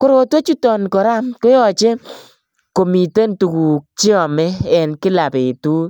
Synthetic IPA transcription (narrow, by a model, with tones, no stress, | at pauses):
ko˦ɾo˨two˦t͡ʃu˦tɔ˨nkɔ˨ɾa˦mkʊ˦jɔ˨t͡ʃe˦ | ko˨mi˨te˦ntu˨ku˨k̚t͡ʃi˦ɔ˨mɛ˦ɛ˨nkɪ˦la˨pe˨tu˦